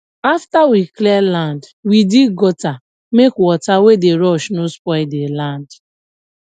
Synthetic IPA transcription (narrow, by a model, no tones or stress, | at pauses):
aftawiklɛland | widiɡɔta | mekwɔtawedeɾɔʃnospɔɪdelãnd